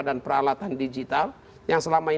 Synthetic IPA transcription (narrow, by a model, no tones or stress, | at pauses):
danpəɾalat̪andid͡ʒit̪al | jaŋsəlamai